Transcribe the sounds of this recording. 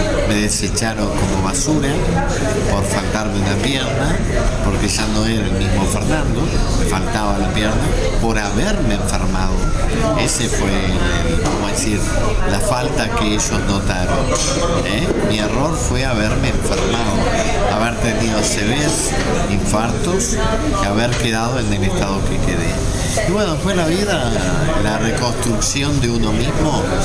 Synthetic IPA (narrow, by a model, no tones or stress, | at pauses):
með̞eset͡ʃaɾoŋkomoβasuɾa | poɾfalt̪aɾmeunapjeɾna | poɾkeʒanoeɾaelmizmofeɾnãnd̪omefalt̪aβalapjeɾna | poɾaβeɾmeːɱfeɾmað̞o | esefwe | ḛlkomoðesiɾlafalt̪akeeʒoznot̪aɾon | emiero̞ɾfweaβ̞eɾmeːɱfeɾmaðo | aβeɾt̪eniðoseβes | iɱfaɾt̪os | eaβeɾkeðað̞oenelest̪aðokekeðḛ | iβwenofwelaβiða | larekõ̞nst̪ɾuksjond̪eunomizmo